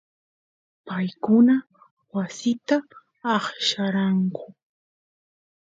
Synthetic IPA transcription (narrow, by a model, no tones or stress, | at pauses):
pajkʊna | wasɪt̪aː | χʃaɾaɴkʊ